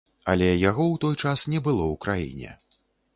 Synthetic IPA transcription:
a̰lʲɛjaɣɔwt̪ɔjt͡ʂasnʲɛbɨlˠɔwkɾajḭnʲɛ̰

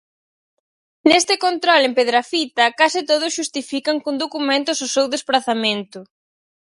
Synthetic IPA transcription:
nest̪ɪkont̪ɾolempeðɾafit̪ɐkasɪt̪oð̞ʊsʃust̪ifikɐŋkund̪okumẽnt̪ʊsʊsewðespɾaθamẽnt̪ʊ

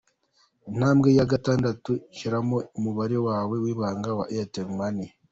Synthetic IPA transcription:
in̥haːmɡe̞jaɡataːndatuiʃiɾamoumuβaɾe̞waːwe̞wiːβaːŋɡawaʔeateɾmani

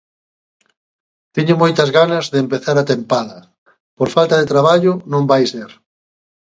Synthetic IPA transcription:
t̪iɲʊmojt̪ɐzɣanɐzðeːmpeθaɾat̪empaðɐ | poɾfalt̪ɐðet̪ɾaβ̞aʎʊnõmbajseɾ

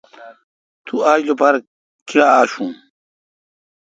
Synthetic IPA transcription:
t̪uaːd͡ʑlopaɾ | kiaaːɕũː

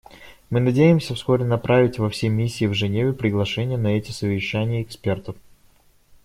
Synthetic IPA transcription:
mɨnɐdʲejɪmsʲəfsko̞ɾʲɪnɐpɾavʲɪtʲvɐfsʲemʲisʲːiːvʐɨnʲevʲɪpɾʲɪɡlˠɐʂɛnʲɪjənɐɛtʲɪsəvʲɪɕːænʲɪjəɪkspʲe̞rt̪əf

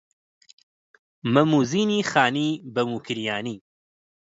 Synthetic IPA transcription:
mɐmuːziːniːxaːniːbɐmuːkʰɨɾijaːniː

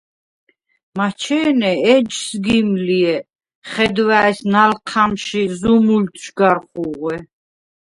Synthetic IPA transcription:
mat͡ʃʰɛːnɛɛd͡ʒsɡimliɛ | χɛd̪waɛsnalqʰamʃizumult̪ʰʃɡaɾχuʁɛ

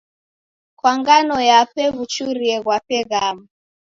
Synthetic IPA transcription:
kwaŋɡanɔjapɛβut͡ʃuɾiɛɣwapɛɣamu

